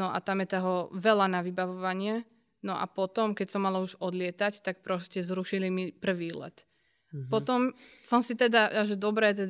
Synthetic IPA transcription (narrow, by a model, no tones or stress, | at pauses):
nɔʔa̰t̪amjɛt̪ɛɦɔʋɛlanaʋibaʋɔʋaɲɪɛ | nɔʔa̰pɔt̪ɔmkɛcsɔmːalauʒɔd̪lɪɛt̪act̪ak̚pɾɔscɛzɾuʃilimipr̩ʋiːlɛ̰t̪ | pɔt̪ɔmsɔmsit̪ɛd̪aaʒɛd̪ɔbɾɛːt̪̬ɛ